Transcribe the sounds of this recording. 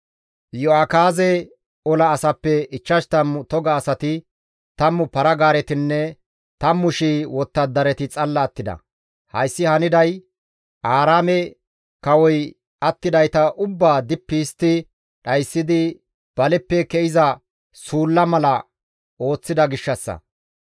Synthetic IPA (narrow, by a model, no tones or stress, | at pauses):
jɔaːkaːzɛ | ɔlɐːsɐpːɛɪt͡ʃːɐʃt̪ɐmʊt̪ɔɡɐːsɐt̪ɪ | t̪ɐmʊpɐɾɐɡaːɾɛt̪ɪnːɛ | t̪ɐmːʊʃiwɔt̪ːɐd̪ːɐɾɛt̪ɪt͡sʼɐlːɐːt̪ːɪd̪ɐ̰ | hɐ̰jsːɪhɐnɪd̪ɐj | ʔaːɾaːmɛ | kɐwɔj | ɐt̪ːɪd̪ɐjt̪ɐʔʊbːaːd̪ɪpːist̪ɪ | ɗɐjsːɪd̪ɪ | b̥ɐlɛpːɛkɛʔɪzɐ | suːlːɐmɐlɐ | o̞ːt͡sːɪd̪ɐɡɪʃːɐsːɐ̰